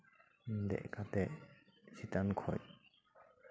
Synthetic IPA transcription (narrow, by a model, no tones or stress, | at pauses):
dɛ̰ʔkat̪ɛʔsit̪ankʰɔ̰j